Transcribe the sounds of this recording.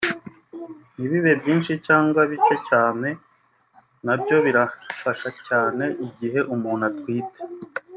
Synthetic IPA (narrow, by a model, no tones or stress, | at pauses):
niβiβe̞bɟiːnʃicaːŋɡwaβit͡ʃecaːne̞ | nabjo̞βiɾafaʃacaːne̞ʔiɟiɦe̞ʔumuːn̥atwiːte̥